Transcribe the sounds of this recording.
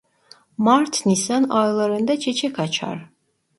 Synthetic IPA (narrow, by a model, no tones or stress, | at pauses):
maɾt̪ʰnisanɑjlˠaɾɯnd̪at͡ʃʰet͡ʃʰɛkʰat͡ʃʰa̰ɾ